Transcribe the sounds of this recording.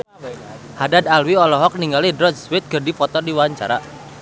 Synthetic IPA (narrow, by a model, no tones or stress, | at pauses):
hadad̪alwiɔlɔɦɔk̚niŋɡalidɾɔd͡ʒswɪt̪̚ɡərdifɔt̪ɔrdiwaɲt͡ʃa̰ɾa